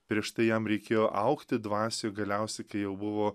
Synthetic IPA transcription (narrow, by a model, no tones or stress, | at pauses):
pʲɾʲiɛʃt̪ɐɪjɛmɾʲɛɪkʲeːjoːʔɐʊkt̪ʲɪd̪ʋɑːsʲoɡɐlʲɛʊsʲɛɪkɐɪjɛʊbʊʋoː